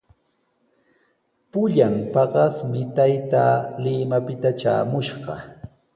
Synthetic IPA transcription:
pʊʎampɑɢɑsmɪt̪ajt̪aːlɪmapɪt̪at͡ʃa̰ːmʊʃɢɑ̰

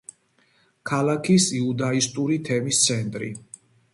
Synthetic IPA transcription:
kʰalakʰisiud̪aist̪ʼuɾit̪ʰɛmist̪sʰɛnt̪ʼɾḭ

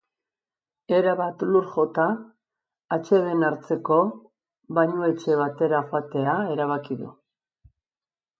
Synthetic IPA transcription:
e̞ɾaβat̪luɾxo̞t̪aː | t͡ʃe̞ðe̞naɾt͡se̞ko̞ | βajɲue̞t͡ʃe̞βat̪e̞ɾaxoat̪e̞ae̞ɾaβ̞akiðṵ

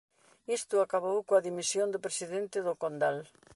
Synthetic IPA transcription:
ist̪ʊakaβowkoɐðimisjond̪ʊpɾesiðent̪ɪðʊkond̪al

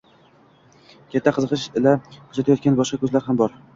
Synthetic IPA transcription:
kʲʰat̪ʰːaqʰɨzɨqɨʃɪlahʊt͡ʃʰat̪ʰajɒt̪̚kʲanbɒʃqɑkʰʲɵzlaɾɦambɒɾ

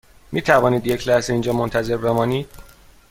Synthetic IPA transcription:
miːt̪ʰævɒːniːd̪je̞cʰlæhzeiːnd͡ʒɒːmont̪ʰæze̞ɾbe̞mɒːniːd̪̥

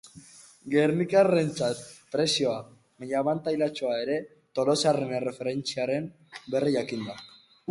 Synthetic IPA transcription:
ɡe̞ɾnikare̞nt͡sat̪pɾe̞sio̞a | meʎaβant̪ajlat͡ʃo̞ae̞ɾe̞ | t̪o̞lo̞sarenere̞fe̞ɾe̞nt͡siaɾe̞m | be̞riʝakind̪a

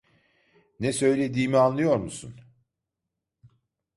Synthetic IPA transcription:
nɛsø̞jlʲe̞d̪iːmianlˠɯjo̞ɾmusṵn

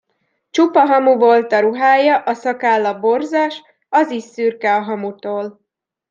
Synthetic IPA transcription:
t͡ʃupɒɦɒmuvolt̪ɒɾuɦaːjɒʔɒsɒkaːlːɒbo̞rzaʃ | ɒzisːyːrkɛɒɦɒmut̪oːl

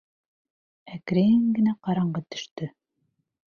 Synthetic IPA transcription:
ækɾæjɘŋɡɘ̆næqɑɾɑɴɢɑt̪ɵ̥̆ʃt̪ɵ

